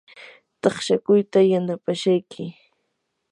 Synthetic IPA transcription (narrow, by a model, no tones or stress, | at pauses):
t̪ɑχʃakʊjt̪ajanapaʃajkʰɪ